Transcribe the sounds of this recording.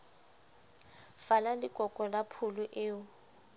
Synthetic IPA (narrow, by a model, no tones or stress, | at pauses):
falalɪkʼɔkʼɔlapʰʊlʊʔɪːʊ